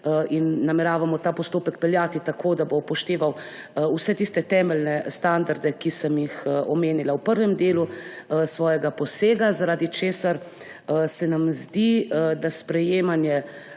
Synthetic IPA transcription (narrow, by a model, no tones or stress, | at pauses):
inːamɛɾaːʋamɔt̪aːpɔst̪oːpɛkpɛljaːt̪it̪akʰoːd̪abopɔʃt̪eːʋaw | usɛt̪ist̪ɛt̪ɛːmɛlnɛst̪and̪aɾd̪ɛkisəmjixɔmeːnilawpəɾʋɛmd̪eːlusʋɔːjɛɡapɔseːɡazaɾaːd̪it͡ʃeːsaɾ | sɛnamzd̪id̪aspɾɛjeːmanjɛ